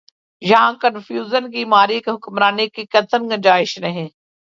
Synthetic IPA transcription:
jɐɦãːkənfʰjuːzənkimaːɾikeɦʊkmɾaːnekikɐt̪ʰəɾɡəd͡ʒaːɪʃnɐɦẽː

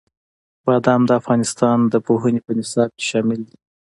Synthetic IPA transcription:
bɑd̪amd̪əafɣɑnɪst̪ɑnd̪əpoɦənepənɪsɑb̚ke̥ʃɑmɪld̪i

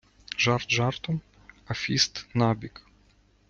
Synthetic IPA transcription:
ʒart̪ʒart̪ɔm | afʲist̪nabʲik

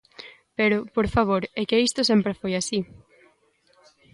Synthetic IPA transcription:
peɾʊpoɾfaβ̞oɾɛkeist̪ʊsempɾefojasi

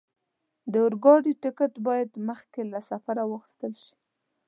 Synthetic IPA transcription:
d̪əʊɾɡɑɖiʈɪkəʈbɑjad̪məxkelasafaɾawəxi̥st̪əlʃi̥

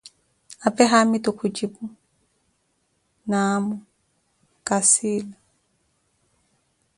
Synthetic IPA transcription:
apʼɛɦamɪtʼʊkʰʊt͡ʃʼipʼʊ | namʊ | kʼasiːla

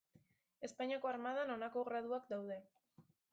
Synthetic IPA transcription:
e̞spaɲako̞aɾmaðano̞nako̞ɣɾaðuakd̪awðe̞

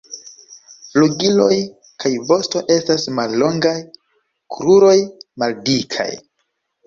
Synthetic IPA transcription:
fluɡilo̞j | kʰajvo̞sto̞ʔe̞stasmalːo̞ŋɡaj | kʰɾuɾo̞jmaldikʰa̰j

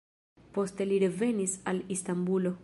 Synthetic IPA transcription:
po̞st̪eliɾeve̞nisalist̪ambulo

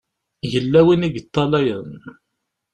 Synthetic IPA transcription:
jəlːæwiniɡət̪ˤːɑlæjən

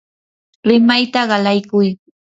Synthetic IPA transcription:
ɾɪmajt̪aɢɑlajkʊj

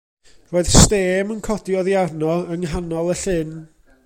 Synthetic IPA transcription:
roːɨð̥steːmənkʰɔdiɔðjarnɔəŋɦanɔlˠəɬɪn

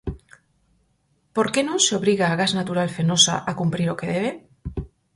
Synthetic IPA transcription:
po̞ɾke̞nõseo̞βɾiɣaːɣaznat̪uɾalfeno̞sa̰ʔakumpɾiɾo̞ke̞ðe̞β̞e̞

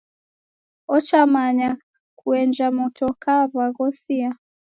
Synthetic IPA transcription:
ɔt͡ʃamaɲa | kuɛnd͡ʒamɔtʰɔkaβaɣɔsia

